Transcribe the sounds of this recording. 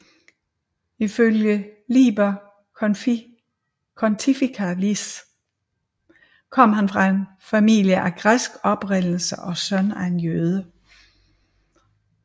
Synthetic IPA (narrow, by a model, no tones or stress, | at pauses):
iføljəlḭːb̥ɐ | kʰɒnt͡sʰifikʰælis | kʰɒ̽m̰ɦænfʁɑ̈e̝n | fæmḭːljəʔæɡ̥ʁasɡ̥ɒ̽b̥ʁen̰l̩səʔɒ̽sœnæe̝njøːð̞ˠə